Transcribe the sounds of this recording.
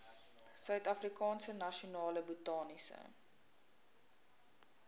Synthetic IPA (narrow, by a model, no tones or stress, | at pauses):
sœɥtɐfrikɑːnsənɐʃionɑːləbutɑːnisə̰